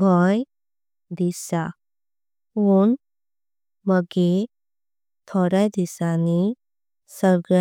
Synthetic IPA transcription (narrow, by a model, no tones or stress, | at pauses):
ɡʱɔj | d̪isa | ɦun | məɡe | t̪ʰɔɾajd̪isani | səɾɡɾa